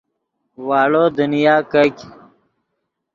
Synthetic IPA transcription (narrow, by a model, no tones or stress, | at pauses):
waːɭoːd̪unijaːkɐkʲ